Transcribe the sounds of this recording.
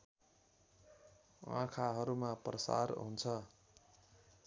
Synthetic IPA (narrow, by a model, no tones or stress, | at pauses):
ã̰kʰaɦʌɾumaprʌsa̰rɦunt͡sʰʌ